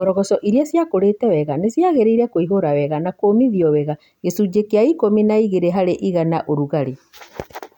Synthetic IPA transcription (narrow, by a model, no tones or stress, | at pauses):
oɾɔɣɔsɔʔiɾiasjakoɾeːtɛwɛɣanesjaɣeɾeiɾɛkoiɦoɾawɛɣanakoːmiðiɔwɛɣa | ɣesud͡ʑekeaikominaiɣeɾeɦaɾeʔiɣanaʔoɾuɣaɾe